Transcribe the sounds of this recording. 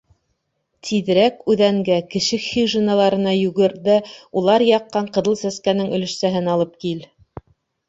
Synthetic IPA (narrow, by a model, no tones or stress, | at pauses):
t̪ʰiðɘ̆ɾækʉðæŋɡækɘ̆ʃɘxiʒenalˠɑɾɤ̆nɑjʉɡɘ̆ɾðæulˠɑɾjɑqːɑɴqɤ̆ðɤlˠsæskænɘŋɵ̆lɘ̆ʃsæɦɘnɑlˠɤp̚kil